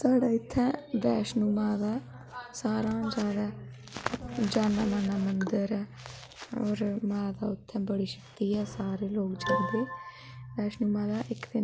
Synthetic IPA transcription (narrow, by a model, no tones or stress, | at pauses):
saːɽaːɪt̪ʰːɛ̃ːʋɛːʃnuːmãːd̪aː | saːɾãːd͡ʒjaːd̪aː | d͡ʒaːnaːmaːnaːmənd̪əɾɛː | ɔːɾmaːd̪aːʊt̪ʰːɛ̃ːbəɽiːʃə̥kt̪iːɛːsaːɾeːloːkd͡ʒãːnd̪eː | ʋɛːʃnuːmãːd̪aːʔɪkd̪ɪ